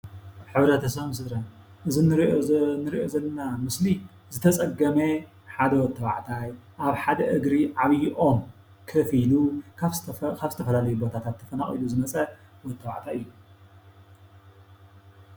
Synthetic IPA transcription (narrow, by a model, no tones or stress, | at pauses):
ħɨβɾɐt̪ʰɐsɐβmsɨd̪ɾɐn | ʔɨzinɨɾnɨɾiʔozɐlːɐnamɨsli | zɨt̪ʰɐt͡sʼɐɡɐme | ħad̪ɐwɔt̪ʰːɐβa̰ʕt̪ʰajʔaβħad̪ɐʔɨɡɾiʕaβjʔo̞m | kʰɐfiluakʰaβzɨt̪ʰɐfɐlalɐjubo̞t̪ʰat̪ʰat̪ʰːɐfɐnaχʼḭluzɨmɐt͡sʼɐwɔt̪ʰːɐβa̰ʕt̪ʰajɨjːu